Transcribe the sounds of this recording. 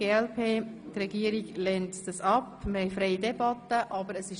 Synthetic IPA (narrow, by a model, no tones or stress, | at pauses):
eːɛlpʰeːtrɛɡiəɾiɡlɛntd̥ɑsɑpməhɛɪjfɾɛɪidɛbɑtːəʔɑbəɾəsɪʃ